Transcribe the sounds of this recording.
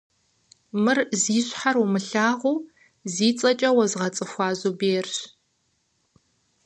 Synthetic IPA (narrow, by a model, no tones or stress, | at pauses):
mɨrziːɕħarumɨɬaːʁʷuː | ziːt͡sʼɐt͡ʃʼɐwɐzʁɐt͡sʼɨxʷɑːzubeːrɕ